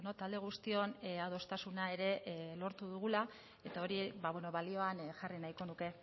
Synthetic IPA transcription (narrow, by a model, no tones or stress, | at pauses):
no̞t̪ald̪e̞ɣ̞ust̪io̞nað̞o̞st̪asunae̞ɾe̞lo̞ɾt̪uðuɣ̞ula | e̞t̪ao̞ɾibaβwe̞no̞βalio̞anʝarinajko̞nuke̞